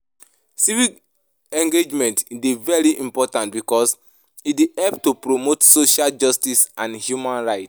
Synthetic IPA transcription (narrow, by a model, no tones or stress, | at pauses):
sivik | ɛ̃ŋɡed͡ʒmɛ̃ntdevɛɹiʔĩmpɔtãntbikɔs | idehɛlptupɹomotsoʃald͡ʒɔstisãnhjumãnɹaɪt